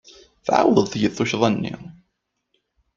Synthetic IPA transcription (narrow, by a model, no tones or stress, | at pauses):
θʕa̰wəðˤθjəθːʊçðˤænːḭ